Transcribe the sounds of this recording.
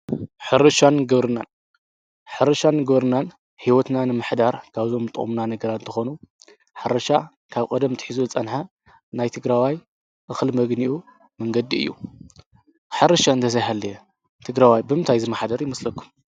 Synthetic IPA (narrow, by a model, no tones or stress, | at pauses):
ħɨɾɐʃanɡɐβɾɨnan | ħɨɾɐʃanɡɐβɾɨnan | hiwɔt̪nanɨmɨħd̪aɾkʰaβzo̞mɨt̪ʼɨ̰χʼṵmnanɐɡɐɾat̪ɨnt̪ʰɐxo̞nu | ħaɾɐʃa | kʰaβkʼɐd̪ɐmt̪ʰɨ̥ħizuɨt͡sʼɐnħa | najt̪ʰɨɡɾawaj | ʔɨxlmɐɡniʔu | mɐŋɡɐd̪iɨ̰jːṵ | ħɨɾɐʃaɨnt̪ʰɐzajɦalːɐjɛ | t̪ʰɨɡɾawajbɨmɨnt̪ʰajzɨmːaħd̪ɐɾjɪmɐslɐkʰːu̥m